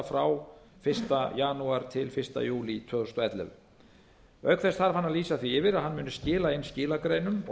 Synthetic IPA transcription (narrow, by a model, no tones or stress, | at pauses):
afɾaw | fɪr̥st̪ajaːnuaɾ̥t̪ʰɪlfɪr̥st̪a̰juːlit̪ʰœːðʏst̪ɔɛt̪lɛ̰v | œɥkθɛst̪θaɾvanːaðliːsaθviɪvɪɾaðhanːmʏːnʏscɪːlaɪnːscɪːlakɾejnʏm